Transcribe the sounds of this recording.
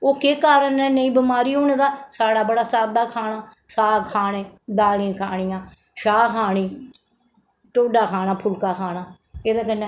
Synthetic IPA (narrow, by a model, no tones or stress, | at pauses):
oːkeːkaːɾənːɛːnəĩːbɪmaːɾiːɦoːneːd̪aːsaːɽaːbəɽaːsaːd̪aːkʰaːnaːsaːkʰaːneːd̪aːlĩːkʰa̰ːɳ̃ɪːjãː | ʃaːkʰaːɳĩː | ʈoːɖaːkʰaːnaːpʰʊlkaːkʰaːnaː | eːd̪aːkənːẽː